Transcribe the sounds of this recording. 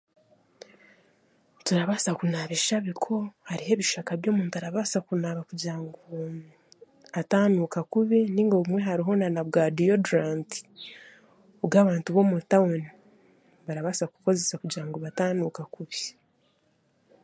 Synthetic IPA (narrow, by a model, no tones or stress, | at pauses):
tuɾaβaːsakunaːβeʃaβikʰo̞haɾiɦe̞ːβiʃakaβjoːmuːntaɾaβaːsakunaːβakuɟiɾaŋɡo | ataːnukakuβiniːŋɡoβumwe̞ɦaɾiɦo̞nanaβɡaːdijoduɾaːnti̥ | obɡaːβaːntuβo̞mutawoni | βaɾaβasaku̥ko̞ze̞sakuɟiɾaŋɡoβataːnukakuβi̥